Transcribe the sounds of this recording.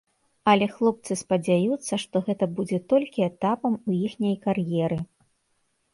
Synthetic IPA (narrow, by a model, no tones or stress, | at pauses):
ɐlʲɛxlˠɔp̚t̪sɨspɐd͡zʲajut̪sːɐʂt̪ɔɣɛt̪ɐbud͡zʲɛt̪ɔlʲkʲiɛt̪apɐmujixnʲɐjkarjɛɾɨ